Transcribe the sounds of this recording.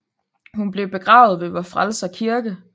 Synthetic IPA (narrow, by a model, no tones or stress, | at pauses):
hunb̥le̝ʊb̥e̝ɡ̥ʁɑ̰̈ʊð̩ˠʋe̝ʋɒfʁalsɐkʰiɐɡ̥ə